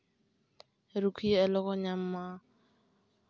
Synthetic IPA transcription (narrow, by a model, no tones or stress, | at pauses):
ɾukʰiɛlɔɣɔɲam̩ma